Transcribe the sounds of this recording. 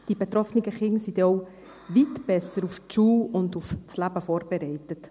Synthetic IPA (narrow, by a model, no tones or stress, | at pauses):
d̥ibetɾɔfnɪɡəχɪŋsid̥ɛɔʊ | vitb̥ɛsəɾuftʃuːʊndufslæbəfoːɾb̥eɾɛɪtət